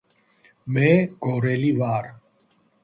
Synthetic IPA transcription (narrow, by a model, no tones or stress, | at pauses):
mɛːɡoɾɛlivaːɾ